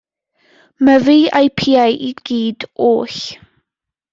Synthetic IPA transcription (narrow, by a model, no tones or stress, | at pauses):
məviːajpʰiːajʔiɡ̥iːd̥oːɬ